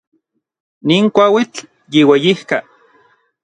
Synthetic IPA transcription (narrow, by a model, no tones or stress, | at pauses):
niːŋkʷawit͡ɬ | jiwejihka